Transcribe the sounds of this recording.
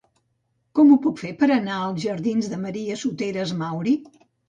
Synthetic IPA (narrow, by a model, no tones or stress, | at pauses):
kɔmupukfepəɾənaəlˠzʒəɾðinzðəməɾiəsut̪eɾəzmawɾi